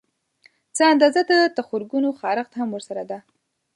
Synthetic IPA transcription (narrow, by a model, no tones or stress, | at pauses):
t͡səand̪ɑzad̪ət̪axoɾɡunoxɑɾaxt̪hamwəɾsaɾad̪a